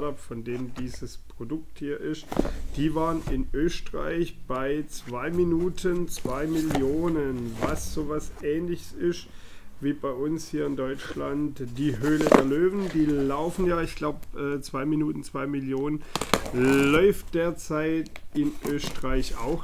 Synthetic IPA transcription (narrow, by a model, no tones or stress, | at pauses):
tapfɔndeːmdiːzəspʁ̥odʊk̚thiːɐʔɪstd̥iːvaːʁənɪnʔøːstʁa̰ɪçb̥aɪt͡sv̥aɪminuːtʰənt͡sv̥aɪmɪljoːnənvasz̥oːvasʔɛːnlɪçəsɪstviːbaɪʔʊnshiːɐɪndɔʏt͡ʃlantd̥iːɦøːlədeːɐløːvn̩d̥iːlaʊfn̩jaːɪçɡ̥laʊbʔɛːt͡sv̥aɪminuːtn̩t͡sv̥aɪmɪljoːnən | lɔʏft̚d̥eːɐt͡saɪtɪnʔøːstʁ̥aɪça̰ʊx